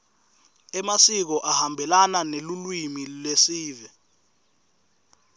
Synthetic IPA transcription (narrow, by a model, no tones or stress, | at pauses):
ɛmasik̬ɔʔahambʱɛlananelulwimilesiːvɛ